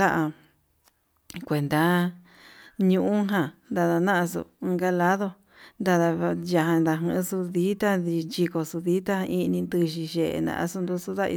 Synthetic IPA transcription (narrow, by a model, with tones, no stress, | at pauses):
a˦ʔa˧ | kʷe˨nd̪a˧˦ | ɲũ˧ʔũ˦ɦã˨nd̪a˧ða˧nã˦ʔã˧s̬ṵ˧˨ɨ˧ŋɡa˧la˦ðo˧ | nd̪a˧ða˧ja˧ɦã˧nd̪a˧ɦɨ̃˧su˧ði˦t̪a˦ði˧nt͡ʃi˧ko˧su˧ði˦t̪ã˦˧ĩ˧nĩ˧nd̪ɨ˧ʃi˧ʃe˧˨ḛ˧nã̰˧ʔa̰˧su˧nd̪u˧su˧ða˦˧ḭ˧